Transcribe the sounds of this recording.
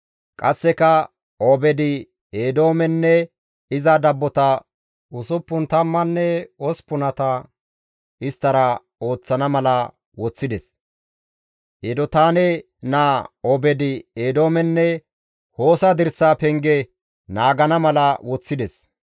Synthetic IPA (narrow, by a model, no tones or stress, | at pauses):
kʼɐsːɛkɐ | obɛd̪ɪ | eːd̪o̞ːmɛnːɛ | ɪzɐd̪ɐbːɔt̪ɐ | ʔʊsʊpːʊnt̪ɐmːɐnːɛɔspʊnɐt̪ɐ | ʔɪst̪ːɐɾɐ | o̞ːt͡sːɐnɐmɐlɐ | wɔt͡sːɪd̪ɛs | ʔed̪ɔt̪aːnɛ | naːɔbɛd̪ɪeːd̪o̞ːmɛnːɛ | ho̞ːsɐd̪ɪɾsaːpɛŋɡɛ | naːɡɐnɐmɐlɐwɔt͡sːɪd̪ɛs